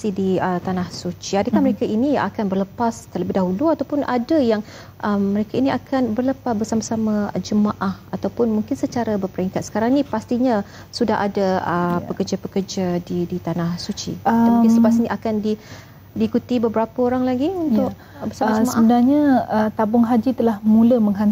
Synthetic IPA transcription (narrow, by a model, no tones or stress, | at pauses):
sidiət̪anahsut͡ʃiadəkaməɾekainia̰kanbərləpast̪ərləbɪɦdaɦuluat̪awpʊnʔa̰dajaŋ | ʔəmːəɾekainiakʰanbərləpasbərsamasamad͡ʒəmaʔahat̪awpʊnmuŋkɪnsət͡ʃaɾabərpəɾiŋkat̪sə̥kaɾaŋnipast̪iɲa | sudahʔa̰daəpəkərd͡ʒapəkərd͡ʒadidit̪anahsut͡ʃḭsələpas̬iniʔakandi | diːkut̪ibəbəɾapaoɾaŋlaɡiunt̪ʊk̚ | bəsamad͡ʒəmaəʔəbənarɲaət̪abʊŋɦad͡ʒit̪əlahmũləməŋɦan